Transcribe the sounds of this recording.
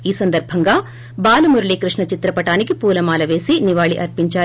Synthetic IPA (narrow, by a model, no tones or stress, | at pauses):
iːsɐnd̪ɐɾbʱɐŋɡɐ | baːlɐmuɾɐɭiːkɾɨʂɳɐt͡ʃit̪ɾɐpɐʈaːniɡipuːlɐmaːlɐʋeːsiniʋaːɭiʔɐɾpiɲt͡ʃaː